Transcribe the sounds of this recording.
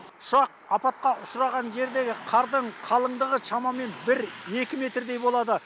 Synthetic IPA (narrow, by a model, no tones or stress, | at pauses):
ʊʃɑq̚ | ɑpɑt̪̚qɑʔʊʃɾɑʁɑnʒe̞ɾd̪e̞ɡʲɪqʰɑɾd̪əɴqʰɑlˠəɴd̪əʁəʃɑmɑme̞nbɪɾe̞kʲɪme̞t̪rd̪e̞jbo̞lˠɑd̪ə